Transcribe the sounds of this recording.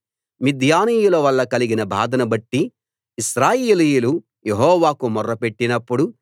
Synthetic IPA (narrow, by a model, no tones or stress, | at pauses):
mid̪ʱjaːniːjulɐʋɐɭːɐkɐliɡinɐbʱaːd̪ɐnɐbɐʈːiː | ʃɾaːjeːliːjulu | jeɦɔːʋaːkumɔrːɐpe̞ʈːinɐpːuɽu